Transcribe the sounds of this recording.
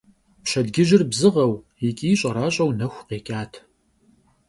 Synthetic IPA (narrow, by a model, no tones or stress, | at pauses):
pɕɐdɡʲɪʒɪrbzɨʁɐw | ikʼiːɕʼɐɾaːɕʼɐwnɐxʷqeːkʲʼaːtʰ